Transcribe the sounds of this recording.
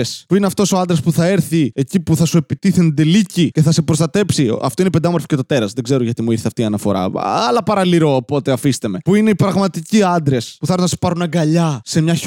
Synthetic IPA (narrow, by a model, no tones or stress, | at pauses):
espuineɐft̪o̞so̞ɐnd̪ɾɐspuθɐeɾθiecipuθɐsue̞pit̪iθend̪elicice̞θɐse̞pɾost̪ɐt̪e̞psiɐ̰ft̪oiniped̪ɐmoɾfi̥ce̞t̪ot̪e̞ɾɐzðe̞ɡze̞ɾoʝɐt̪imuiɾθeɐft̪iːɐnɐfo̞̰ɾɐ̰ɐlɐpɐɾɐliɾo̞ːpo̞t̪e̞ɐfist̪eme̞puine̞ipɾɐɣmɐt̪iciɐnd̪ɾe̞spuθɐɾɐsi̥pɐɾunɐɡɐʎɐse̞mɲɐ